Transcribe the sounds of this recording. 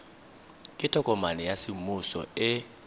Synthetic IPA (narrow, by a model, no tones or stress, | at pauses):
kʼɪtʼɔkʼɔmanɛjasɪmʊsɔ̰ɪ